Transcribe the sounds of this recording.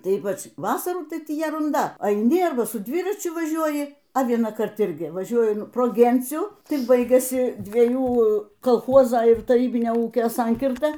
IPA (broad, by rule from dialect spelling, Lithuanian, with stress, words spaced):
ˈtɐɪ ˈiːpɐt͡ʃ ˈʋɑːsɐruː ˈtɐɪ ˈtʲiː jɛrʊnˈdɐ ɐɪˈnʲɪ ˈɐrbɐ sʊ ˈdʲʋʲɪrɐt͡ʃʲʊ ˈʋɑːʒʲuɔjɪ ɐ ʋʲiɛnɑːˈkɐrt ˈɪrʲɡʲɪ ʋɐˈʒʲuɔjʊ proː ˈɡʲɛnʲt͡sʲuː ˈtʲɪk ˈbɐɪɡʲɛsʲɪ dʲʋʲiɛˈjuː koːlˠˈxoːzoː ɪr tɐˈrʲiːbʲɪnʲoː ˈuːkʲoː ˈsɐŋʲkʲɪrtɐ